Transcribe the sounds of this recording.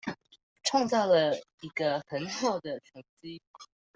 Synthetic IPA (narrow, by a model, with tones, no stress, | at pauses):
ʈ͡ʂʰwɑ˥˧ŋt͡sɑ˥˩ʊlə˩ | i˧˥ɡə˧xə˧˥nxɑ˨˩ʊd̪ə˩ʈ͡ʂʰə˧˥ŋt͡ɕi˥